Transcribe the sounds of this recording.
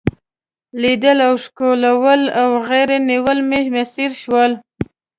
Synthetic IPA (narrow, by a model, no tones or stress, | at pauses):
lid̪əlawʃkolawəlawɣeɾeniwəlmemesiɾʃwəl